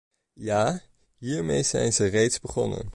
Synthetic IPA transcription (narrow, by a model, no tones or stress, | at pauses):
jaː | ɦiːɹmḛjz̥ɛ̰jnzərejtzbəχɔnə̰n